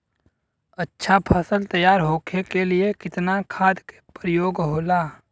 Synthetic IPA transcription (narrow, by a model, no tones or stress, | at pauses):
ətːʃʰapʰəsəlt̪əjaːɾɦoːkʰekeliekɪt̪nakʰaːd̪ke̥pɾjoːɡɦoːlaː